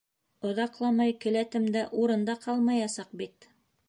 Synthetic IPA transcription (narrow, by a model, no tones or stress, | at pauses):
ŏðɑqlˠɑmɑjkɘ̆læt̪ɘ̆md̪æʔuɾɤ̆nd̪ɑqʰɑlˠmɑjɑsɑq̚bit̪